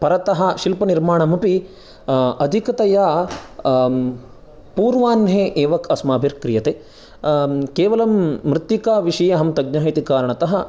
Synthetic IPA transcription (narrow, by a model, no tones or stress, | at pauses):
pɐɾɐt̪ɐɦɐ̆ʃilpɐniɾmaːɳɐmupi | ɐd̪ʱikɐt̪ɐja | puːɾʋaːnɦeːʔeːʋɐkʰɐsmaːbʱiɾkɾijɐt̪eː | keːʋɐlɐmːɾɪt̪jikaːʋiʂɐjɐɦɐmt̪ɐɡ̚ɲɐːɦit̪ikaːɾɐɳɐt̪ɐɦɐ̆